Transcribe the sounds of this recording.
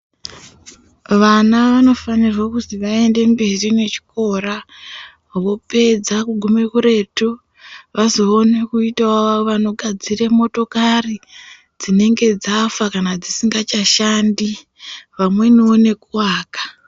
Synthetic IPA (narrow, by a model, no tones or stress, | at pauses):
ʋanaʋano̞fanirwakutiʋae̞nde̞mbe̞rine̞t͡ʃi̥ko̞ɾa | ʋo̞pe̞d͡zakuɡʱume̞kuɾe̞ːtu | ʋazo̞ːne̞kuitawaʋaoʋano̞ɡʱad͡ziremo̞to̞kari | d͡zine̞ŋɡe̞d͡zafakanad͡zisiŋɡat͡ʃaʃandi | ʋamwe̞nione̞kuwaːkḁ